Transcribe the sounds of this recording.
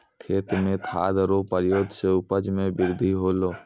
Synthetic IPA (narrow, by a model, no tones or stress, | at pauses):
t̪ʰeːt̪mẽt̪ʰa̰ːd̪ɾopəɾjoːd̪ʱseʊpəd͡ʒmẽbɪɾd̪ʱiɦoːloː